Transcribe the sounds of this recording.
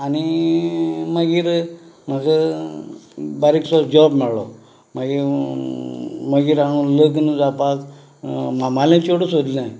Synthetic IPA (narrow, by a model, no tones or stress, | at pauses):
ani | məɡiːɾm̤əɡə | baɾiksɔd͡ʑɔbmɛɭlɔ̰ | məɡiɾ | məɡiːɾaɽ̃ũləɡnd͡zapak | mamalẽt͡ɕoɽusod̪linai